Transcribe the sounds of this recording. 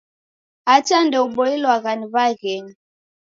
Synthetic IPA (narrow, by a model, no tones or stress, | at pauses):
at͡ʃandɛuɓɔilwaɣanivaɣɛni